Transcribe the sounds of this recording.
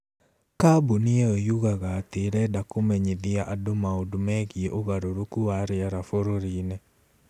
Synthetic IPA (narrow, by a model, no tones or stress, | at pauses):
kaboniɛojuɣaɣaːteɾɛdakomɛɲeðiaʔadomaodomɛɣieʔoɣaɾoɾokuaɾeaɾafoɾoɾinɛ